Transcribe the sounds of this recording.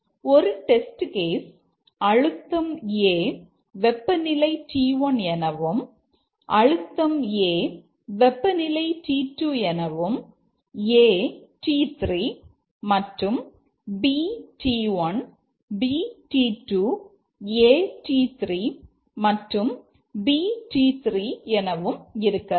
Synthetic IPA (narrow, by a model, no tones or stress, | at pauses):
ɔɾɯʈɛsʈkeːs | ɐɻɯt̪ːɐmeː | ʋɛpːɐnɪlɐɪʈiːʋɐnɛnɐʋɯm | ʔɐɻɯt̪ːɐmeː | ʋɛpːɐnɪlɐɪʈiːʈːuːɛnɐʋɯm | eːʈiːt̪ɾiː | mɐʈrɯm | biːʈiːʋɐn | biːʈiːʈu | eːʈiːt̪ɾiː | mɐʈrɯm | biːʈiːt̪ɾiːɛnɐʋɯmɪɾɯkːɐ